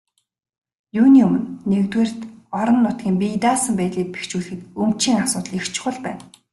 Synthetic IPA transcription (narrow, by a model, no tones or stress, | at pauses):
juːniɵmɵ̆nːekt̪weːr̥t̪ɔɾɞ̆nːʊt̪ɡʲiːmpʲit̪aːsə̆mpæːt̪ɮiːk̚pe̥xt͡ɕuːɮxɘ̆t̪ɵmt͡ɕiːŋasʊːt̪ə̆ɮixt͡ɕɪ̥̆χə̆ɮpæːn